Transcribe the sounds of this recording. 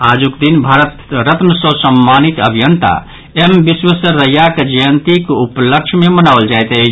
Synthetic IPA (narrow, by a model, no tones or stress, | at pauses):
ad͡ʒukd̪inbʱaɾət̪ɾət̪məsəsəmːanit̪ə̰bʱijənt̪a̰ | embiswəsəɾəjaked͡ʒəjənt̪ikupləkt͡ʃʰmemənawld͡ʒajt̪ət͡ʃʰ